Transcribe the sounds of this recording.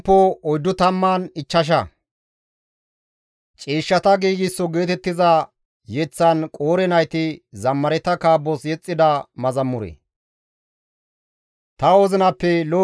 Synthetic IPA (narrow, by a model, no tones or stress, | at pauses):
pːɔɔjd̪ːʊt̪ɐmːaːnɪt͡ʃːɐʃ̬ɐ | t͡ʃʼiːʃːɐt̪ɐɡiːɡɪsːɔɡe̞ːt̪ɛt̪ːɪzɐ | jɛt͡sːɐnkʼoːɾɛnɐjt̪ɪzɐmːɐɾɛt̪ːɐkaːbːɔsjɛt͡sʼːɪd̪ɐmɐzɐmːʊɾɛ̰ | t̪ɐɔzɪnɐpːɛloː